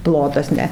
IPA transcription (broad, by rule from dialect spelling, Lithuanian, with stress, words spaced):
ˈplˠoːtɐs ˈnʲɛ